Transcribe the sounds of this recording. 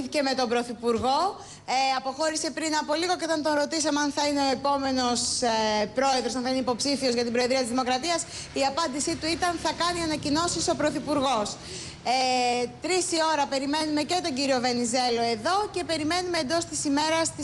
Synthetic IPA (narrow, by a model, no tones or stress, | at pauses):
θice̞me̞t̪o̞bɾo̞θipuɾɣo̞ | eɐpo̞xo̞ɾise̞pɾinɐpo̞liɣo̞ceo̞t̪ɐnt̪o̞nɾot̪isɐmeɐnθɐineo̞epo̞me̞no̞spɾo̞e̞ðɾos̬ɐnθɐineipo̞psifio̞zʝɐt̪ibɾo̞eðɾiɐt̪izðimokɾɐt̪iɐs | iɐpɐnd̪isit̪uit̪ɐnθɐkɐniɐnɐcino̞siso̞pɾo̞θipuɾɣo̞s | t̪ɾisio̞ɾɐpe̞ɾime̞nume̞ce̞t̪o̞ɲɟiɾio̞ve̞nize̞lo̞e̞ðo̞ce̞pe̞ɾime̞numeːnd̪o̞st̪isime̞ɾɐst̪i